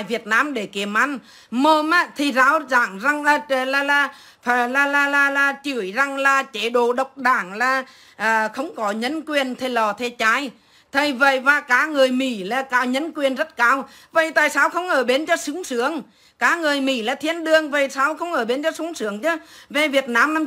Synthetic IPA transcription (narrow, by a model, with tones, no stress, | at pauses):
jvi˨˩ət̚naː˧mɗe˧˩ki˨˧˩əmʔa˨˦n | mo˧mʔaː˧˦t̪ʰi˨˩zaː˨˧˦wzaː˧˩ŋza˨˩ŋʔəː˨˧˩laː˨˩laː˨˩ | fa˨˩laː˨˩laː˨˩laː˨˩laː˨˩t͡ɕɨ˧˩əjza˨ŋlaː˨˩t͡ɕe˧˩ɗo˧˩ɗə˨˩wk͡p̚ɗaː˧˩ŋlaː˨˩ | ʔəː˨˩xə˧wŋ͡mkɔ˨˦ɲə˧˦nkwi˨˩ənt̪ʰe˨˧˩lɔ˨˩t̪ʰe˧˦t͡ɕaː˨˧˦j | t̪ʰə˨˩jvə̰˧˨jvaː˨˩kaː˨˧˥ŋɨ˨˩əjmḭ˧˩laː˨˩kaː˨˧˩wɲə˧˦nkwi˨˩ənzə˦˥t̚kaː˧w | və̰˧˩jt̪aː˧˨jsaː˧wxə˧wŋ͡mʔəː˧˩ɓe˨˦nt͡ɕɔ˧sʊ˨˧˦ŋsɨ˧˦əŋ | kaː˨˦˥ŋɨ˨˩əjmi˧˩laː˨˩t̪ʰi˧ənɗɨ˨˩əŋvə˨˩˨jsaː˧˦wxə˧wŋ͡mʔəː˧˩ɓe˨˦nt͡ɕɔ˧su˨˦ŋsɨ˨˦əŋt͡ɕɨ˨˦ve˨˩vi˨˩ət̚naː˨˦m˧